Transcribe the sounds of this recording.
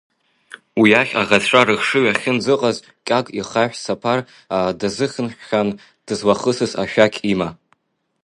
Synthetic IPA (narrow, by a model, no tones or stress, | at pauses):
wiaχʲa̰ʁatʷʰaɾɨxʂɨɥaχʲɪnd͡zɨqʼaz | kʲʼakʼiχaħʷᶣsapʰar | adazɨχʲɨnħχʲan | d̥ɨzwaχəsɨsa̰ʃᶣakʲʼʰima